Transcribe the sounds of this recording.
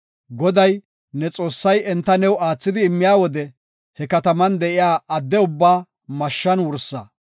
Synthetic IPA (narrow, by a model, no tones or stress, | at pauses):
ɡɔd̪ɐj | nɛt͡sʼo̞ːsːɐjɛnt̪ːɐnɛwaːt͡sːɪd̪ɪːmːɪjaːwɔd̪ɛ | hɛkɐt̪ɐmɐnd̪ɛʔɪjaːɐd̪ːɛʊbːaː | mɐʃːɐnwʊɾsːa̰